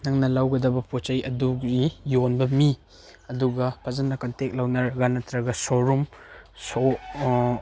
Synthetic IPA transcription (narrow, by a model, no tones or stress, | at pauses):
nɐŋnɐlawɡɐdɐbɐpot͡ʃajɐduijonbɐmi | ɐduɡɐpʰazɐnɐkɐntek̚lawnaɾɡanɐtɾɐɡɐsoɾumso